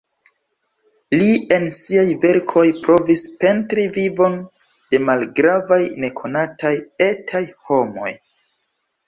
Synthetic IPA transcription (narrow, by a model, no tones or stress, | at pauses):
lie̞nsiajve̞ɾkʰo̞jpɾo̞vispe̞ntɾivivo̞n | d̥e̞malɡɾavajne̞kʰo̞natʰaje̞tʰajho̞mo̞̰j